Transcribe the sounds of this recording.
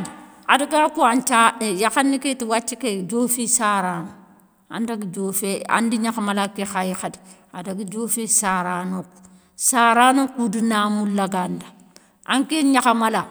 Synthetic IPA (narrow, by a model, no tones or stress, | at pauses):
ad | adaɡakuant͡ʃajaxaniketiwat͡ʃːiked͡ʒofisaɾanu | a̰ndaɡid͡ʒofea̰ndiɲakamalakexajixad | adaɡid͡ʒofesaɾanok | saɾanokudinamulaɡanda | ʔaŋkeɲakamala